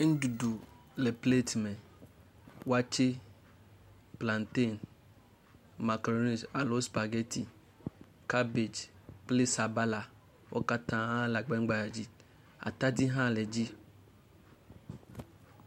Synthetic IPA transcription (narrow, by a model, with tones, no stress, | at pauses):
e˦n̩˦du˨du˨ | lɛ˨ple˦tmɛ˨ | wa˦t͡ʃe˦ | plã˨nte˦˨n | ma˨kɾo˦ni˨d͡ʒa˨lo˦spa˨ɡɛ˦tʰi˨ | ka˦be˨d͡ʒplɪ˦sa˨ba˦la˨ | wʔɔ̰˦ka˦tã˨ã˦la˨ɡ͡bɛ˦ŋ͡mɡ͡ba˨ja˨d͡ʒi˦ | a̰˨ta˦di˦ɦã˦˨lɛ˨d͡ʒi˦